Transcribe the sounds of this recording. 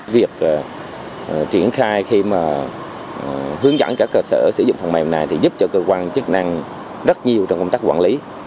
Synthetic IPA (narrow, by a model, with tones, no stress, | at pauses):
vi˨˩ək̚ː | t͡ɕi˧˩ənxaː˧jxi˧maː˨˩ | ɦɨ˨˦əŋzə̰˧˩nkaː˦˥kːəː˧səː˧˩sɨ̰˧˩˦zʊ̰˧˨ŋ͡mfa˨˩wmɛ˨˩na˨˩jt̪ʰi˨˩zu˦˥p̚t͡ɕɔ˧kəː˧kwaː˧nt͡ɕə˦˥k̚na˧ŋ | zə˦˥t̚ɲi˨˩əwt͡ɕɔ˧wŋ͡mkə˧ŋ͡mt̪aː˦˥kwaː˧˩nli˨˦